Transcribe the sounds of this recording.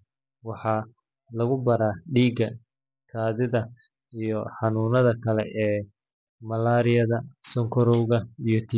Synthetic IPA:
wɑħɑː | lɐɣʊbɐɾaːɖiːɡɐ | kʰaːðɪðɐ | ijɔħɑnuːnɐðɐkʰɐlɛʔɛː | mɐlaːɾɪjɐðɐsɔŋkʰɔɾɔwɣɐijɔt̪ʰi

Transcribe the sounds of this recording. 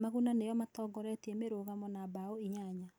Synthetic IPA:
maɣunanejɔmatɔːɡɔɾɛtiɛmeɾoːɣamɔnabaoiɲaɲa

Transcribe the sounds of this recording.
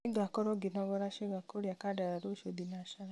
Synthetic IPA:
iɡakɔɾɔɡinɔɡɔɾaʃeɡakoɾiakadaɾaɾoʃod̪inaʃaɾa

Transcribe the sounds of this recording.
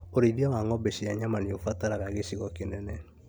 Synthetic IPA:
oɾeɾiɔŋaŋɔbeʃiaɲamaniofataɾaɣaɣeʃiɣɔkenɛnɛ

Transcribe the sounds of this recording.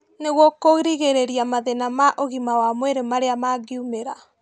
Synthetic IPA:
neɣwɔkoɣɾiɣeɾeɾiamaðenamaʔoɣimawamweɾemaɾeamaɡiumeɾa

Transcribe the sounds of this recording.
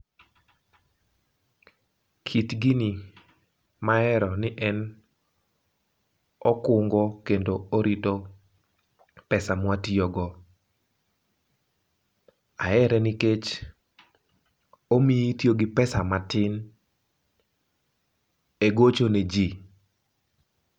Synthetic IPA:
kʰitɡini | maɛɾɔnɪʔɛn | ɔkʊŋɡɔkendooɾito | pɛsamwatiɔɡɔ | aɛɾɛnɪket͡ʃ | omietjoɡɪpɛsamatɪn | eɡot͡ʃoned͡ʒi

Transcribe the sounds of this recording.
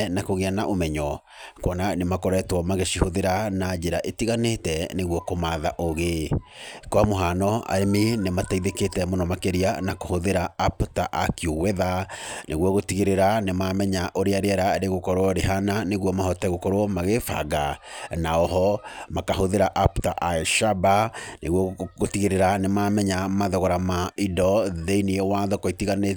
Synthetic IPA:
nakoɣeanaʔomɛɲɔ | kwɔnanemakɔɾɛtwɔmaɣeʃihoðeɾanad͡ʒeɾaʔetiɣanetɛneɣwɔkomaːðaʔoɣe | koamoɦanɔa̰ɾeminemataiðeketɛmonɔmakeɾianakohoðeɾaaptaʔakjowɛðanʔeɣwɔɣotiɣeɾeɾanemaːmɛɲaʔoɾeaɾeɛɾaɾeɣokɔɾoɔɾeɦananeɣwɔmahɔtɛɣokɔɾoɔmaɣefa̰ɡanaɔɦɔmakaɦoðeɾaʔaptaʔaʃabaneɣwɔɣotiɣeɾeɾanemaːmɛɲamaðɔɣɔɾamaidɔðeiniɛwaðɔkoitiɣane

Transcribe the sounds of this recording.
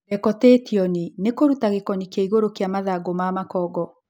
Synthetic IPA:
ɛkɔtetiɔninekoɾutaɣekɔnikjaiɣoɾokeamaðaɡomamakɔːɡɔ

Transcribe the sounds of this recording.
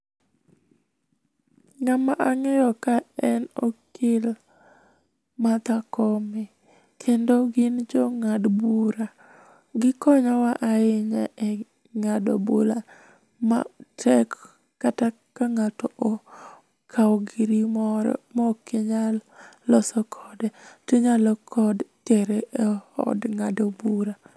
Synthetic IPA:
ŋamaʔaŋɛɾɔkaɛno̰kʰɪl | mat̪akɔmɛ | kʰendoɡɪnd͡ʒɔŋadbuɾa | ɡɪkɔɲɔwaʔaɪɲaʔɛ | ŋado̰bola | ma̰tʰɛkː | ata | kaŋatɔʔo | kʰawɡiɾimɔɾɔ̰mɔkeɲalɔsɔkʰɔdɛtiɲalɔkʰɔdtɛɾeʔɛɔ̰dŋadobuɾa

